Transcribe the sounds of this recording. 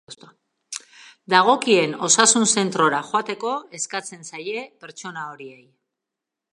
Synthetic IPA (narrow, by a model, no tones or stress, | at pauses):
st̪o | d̪aɣ̞o̞kie̞no̞sasunse̞nt̪ɾo̞ɾaxoat̪e̞ko̞e̞skat͡se̞nsaje̞pe̞ɾt͡so̞nao̞ɾie̞j